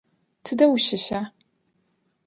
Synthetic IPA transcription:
tʰɨdɐwʊʃɪɕaː

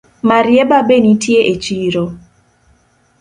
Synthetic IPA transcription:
maɾjebabenitjeʔet͡ʃiːɾo

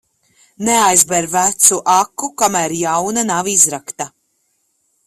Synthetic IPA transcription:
neajzbɛɾvæt̪suʔakːukamæɾjawnanavizɾakt̪a

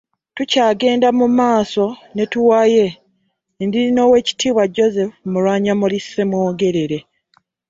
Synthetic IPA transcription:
tucaːɡe̞ːndamumaːso̞ne̞tuwaje̞ | ndiɾino̞ːwe̞ːci̥tʰiːβwaɟo̞ze̞fmulwaːɲamulisːe̞mwoːɡe̞ɾe̞ɾe̞

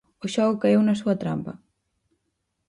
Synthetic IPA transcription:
ʊʃɔɣʊkaewnɐsuɐt̪ɾa̰mpɐ̰

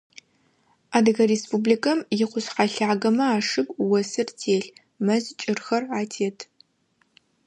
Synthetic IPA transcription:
aːdɨɣɐɾespublikʰɐmjɪqʷʊsqɑɬaːɡɐmɐaːʂɨɡʷʼwɔsɨrtʰeːɬ | mɐzt͡ʃʼɪrxɐraːtʰeːtʰ

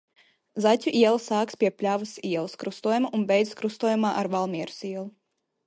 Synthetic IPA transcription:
zatʲuʔiɛlˠsaːkspʲiɛpʲlʲavɨsiɛlˠskɾust̪uɔjumaʔunbʲɛjd̪skɾust̪uɔjumaːʔaɾvalˠmʲiɛɾu̥siɛlˠu

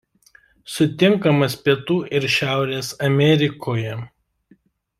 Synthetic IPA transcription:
sʊt̪ʲɪŋkɐmɐspʲiɛt̪uːʔɪɾʃʲæˑʊɾʲeːsɐmʲɛɾʲɪkʰoːjɛ

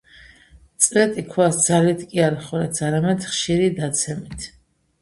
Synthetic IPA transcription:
t̪sʼɾɛt̪ʼikʰwasd̪zalit̪ʰkʼiaɾiχɔɾɛt̪saɾamɛd̪χʃiɾid̪at̪sʰɛmit̪ʰ

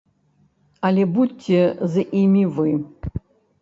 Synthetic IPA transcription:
alʲɛbutʲʰːezɨʔimʲivɨ

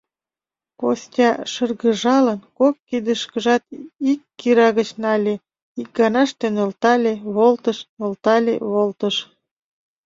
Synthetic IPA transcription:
ko̰sʲtʲɑʃərɣəʒɑlənkokːid̪əʃkəʒɑt̪ikːiɾɑɣət͡ɕnɑlʲe | ik̚ɡɑnɑʃt̪enəlt̪ɑlʲeβolt̪əʃolt̪ɑlʲḛβolt̪əʃ

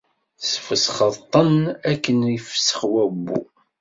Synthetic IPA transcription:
sə̥fəsχət̪ˤːənækːənifsə̥χwæbːṵ

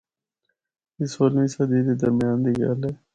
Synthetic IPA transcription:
isoːlmĩːsad̪iːd̪eːd̪əɾmɪjaːnd̪iːɡə̰lɛː

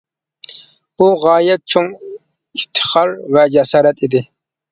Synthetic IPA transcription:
b̥uʁɑːjɛt̪̚t͡ʃʰoŋ | ift̪ʰə̥χɑɾvɛd͡ʒɛsɑːɾɛt̪id̪ɪ

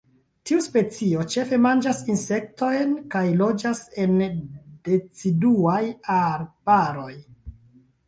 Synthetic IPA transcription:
tiuspe̞t͡sio̞t͡ʃe̞fe̞mand͡ʒasinse̞k̚to̞jnkajlo̞d͡ʒase̞nde̞t͡siduajaɾbaɾo̞j

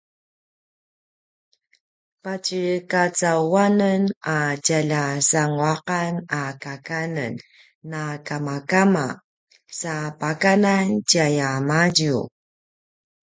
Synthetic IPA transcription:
pacəkat͡sawanənacaʎasaŋuaqanakakanə̰nː | akamakama | sapakananciajamaɟṵ

